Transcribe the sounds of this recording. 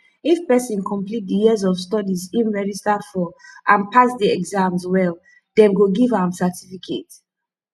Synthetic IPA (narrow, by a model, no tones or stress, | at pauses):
ifpɛsĩnkʰɔ̃mplit̚dijizɔvstɔdizĩnɹɛd͡ʒistafɔʔãnpʰasdiɛɡzãmzwɛl | dɛ̃mɡoɡivãmsɛtʰifikʰḛt